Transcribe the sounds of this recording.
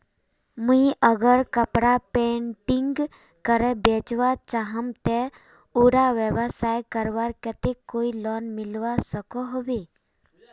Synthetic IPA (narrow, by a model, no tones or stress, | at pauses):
muiʔəɡəɾkəpɽapẽɳʈɪ̃ŋɡ | kəɾɛbeːt͡ʃʋat͡ʃaɦəmt̪e | uɾaʋəʋəsaːjkəɾʋaɾkət̪ekoːilɔːnmɪlʋasəkoɦoʋe